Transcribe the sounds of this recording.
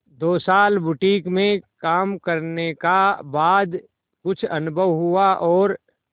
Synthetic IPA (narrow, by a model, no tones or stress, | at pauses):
d̪oːsaːlbʊʈiːkmẽkaːmkɐɾnekabaːd̪ | kʊt͡ʃʰɐnʊbʱəʋɦʊaʔɔːɾ